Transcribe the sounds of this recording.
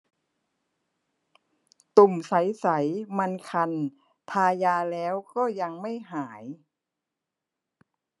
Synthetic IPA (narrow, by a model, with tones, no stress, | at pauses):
t̪u˨˩msa˩˦jsa˩˦jma˧nkʰa˧n | t̪ʰaː˧jaː˧lɛː˦˥wkɔː˥˩ja˧ŋma˥˩jɦaː˩˦j